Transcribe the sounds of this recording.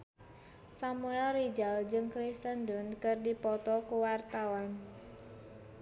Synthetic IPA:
samuɛlrid͡ʒald͡ʒɨŋkɾist̪əndʊnkɨrdipɔt̪ɔkuwart̪awan

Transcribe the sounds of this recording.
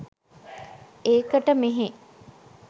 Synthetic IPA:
eːkəʈəmeɦe

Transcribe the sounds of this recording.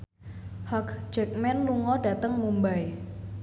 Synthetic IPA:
hɔkd͡ʒɛk̚mɛnluŋɔɖa̤t̪əŋmumbae

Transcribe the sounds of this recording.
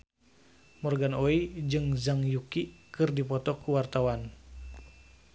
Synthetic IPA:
mɔrɡanoid͡ʒɨŋzaŋjukikɨrdipɔt̪ɔkuwart̪awan

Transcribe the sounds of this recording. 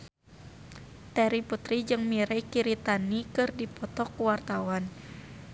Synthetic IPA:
t̪ɛɾiput̪ɾid͡ʒɨŋmiɾɛkiɾit̪anikɨrdipɔt̪ɔkːuwart̪awan

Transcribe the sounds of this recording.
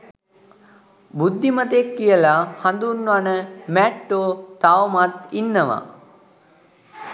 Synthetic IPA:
bud̪ʱːimət̪ekːijəlahand̪uɾnuanəmɛʈːoːt̪awmat̪inːəʋa̰

